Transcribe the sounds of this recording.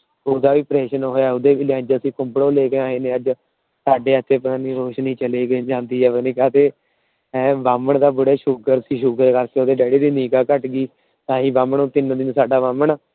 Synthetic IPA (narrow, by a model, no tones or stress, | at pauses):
oːd̪aːʋiːpɾɛːʃənɦoːjaːɛːʊd̪eːʋiːlɛ̃ːd͡ʒəəsĩːkʊmbɽõːleːkeːãːɦeːnẽːəd͡ʒ | saːɖeːət̪ʰːeːpəɾãːniːɾoːʃnɦĩːt͡ʃəleːɡd͡ʒãːnd̪iːɦɛːʋənĩːkaːt̪eː | ɛ̃ːʋaːməɳd̪aːbʊɽaːʃʊɡəɾsiːʃʊɡɾeːkəɾkeːoːd̪eːɖɛːɽiːd̪iːniːkaːkəʈɡiː | t̪ãːɦĩːbaːmɳoːt̪ɪnd̪ɪnsaːɖaːʋaːməɳ